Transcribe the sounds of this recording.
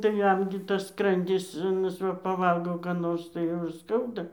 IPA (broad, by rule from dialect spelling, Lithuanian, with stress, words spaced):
tɐɪ ˈjɛm ɡʲɪ tɐs ˈskrɐnʲdʲɪs ɐˈnɐs ˈʋɐ pɐˈʋɐlˠɡoː ˈkɑː noːrs tɐɪ ˈjɛʊ ɪr ˈskɐʊdɐ